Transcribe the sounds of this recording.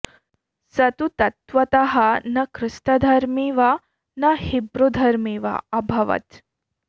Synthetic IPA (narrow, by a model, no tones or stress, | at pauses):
sɐt̪ut̪ɐt̪ʋɐt̪ɐɦɐnɐkʰɾɨst̪ɐd̪ʱɐɾmiʋɐ | nɐhibɾod̪ʱɐɾmiːʋɐ̰ɐbʱɐʋɐ̰t̪